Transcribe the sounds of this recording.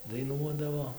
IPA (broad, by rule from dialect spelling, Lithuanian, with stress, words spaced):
dɐɪˈnuɔdɐʋoː